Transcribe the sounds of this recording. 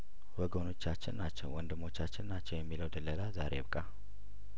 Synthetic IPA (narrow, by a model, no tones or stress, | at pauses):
wəɡono̞t͡ʃːat͡ʃːɪnnat͡ʃːɛwwɔnd̪ɨmo̞t͡ʃːat͡ʃːɪnːat͡ʃːɛwjɛmːiləwd̪əlːəlazaɾebkʼa